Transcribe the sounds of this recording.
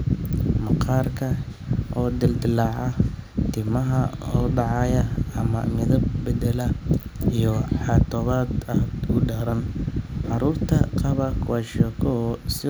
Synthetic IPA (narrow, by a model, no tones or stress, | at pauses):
mɑqʰɑːrkʰɐʔɔːd̪ɪld̪ɪlɑːʕɑt̪ʰɪmɐɦɐɔːɖɑʕɑjɐɐmɐ̰mɪðɐb̚bɛd̪ɛlɐijɔħɑt̪ʰɔβaːd̪aːd̪ʊɖaːɾɐnʕɑɾuːrt̪ʰɐqɑβɐkʰʊwaʃɔːkʰɔsɪ